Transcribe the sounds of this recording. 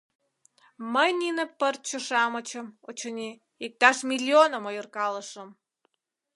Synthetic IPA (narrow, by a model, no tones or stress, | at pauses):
məjninə̆pərt̪̚t͡ɕoʃɑmət͡ɕə̆mot͡ɕonʲi | ik̚t̪ɑʃmʲilʲːionəmojyrkɑləʃə̆m